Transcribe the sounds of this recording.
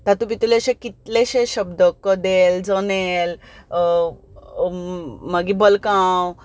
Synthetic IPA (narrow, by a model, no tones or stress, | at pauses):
t̪at̪ũpit̪uleɕẽkit̪leɕẽɕəbd̪əkːəd̪eld͡zənel | məɡibəlkãw